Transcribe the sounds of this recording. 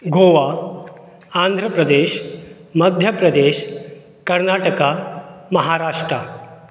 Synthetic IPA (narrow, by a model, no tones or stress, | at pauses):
ɡʱoːʋa | and̪ʱɾəpɾɐd̪eːʃ | məd̪ʱjəpɾɐd̪eːʃ | kɐɾnaʈəkamɐɦaɾaːʂʈɾa